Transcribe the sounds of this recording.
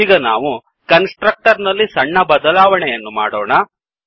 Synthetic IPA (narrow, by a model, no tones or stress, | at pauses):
iːɡɐnaːʋu | kɐnsʈɾɐk̚ʈɐɾnɐlːisɐɳːɐbɐd̪ɐlaːʋɐɳɛjɐnːuma̰ːɽoːɳɐ